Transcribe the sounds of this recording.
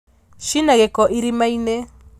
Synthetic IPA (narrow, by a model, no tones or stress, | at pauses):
ʃinaɣɛkɔʔiɾimainɛ